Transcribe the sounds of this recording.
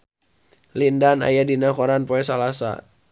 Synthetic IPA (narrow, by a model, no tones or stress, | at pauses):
lindana̰jadinakɔɾanpɔɛs̬alasa̰